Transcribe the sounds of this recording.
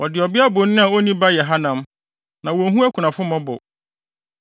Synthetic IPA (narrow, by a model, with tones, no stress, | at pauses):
wɔ˨dɪ˨ɔ˨bɪ˦a˦bʊ˨nɪ̃˦a˨o˦nĩ˦ba˦jɛ˨ɦa˦nã˨m | nã˨wɔ˨˦ɦũ˦æ˦kʰu˨nã˨fʊ˦mɔ̃˦bʊ̰˨